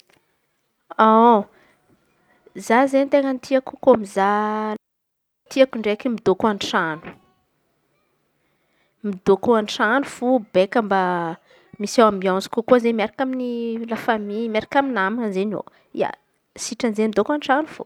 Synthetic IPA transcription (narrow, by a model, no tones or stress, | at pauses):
a | zazent̪eŋənit̪ʰiaku̥komiza | t̪iakuɳɖ͡ʐekemid̪okuanʈ͡ʂanu̥ | mid̪okuanʈ͡ʂanufubekəmba | misawambiaw̃zi̥kukuazemiaɾakʲaminilafamimaɾakʲaminamanzeno̰ | ḭa̰ | siʈ͡ʂanzemid̪okanʈ͡ʂanufṵ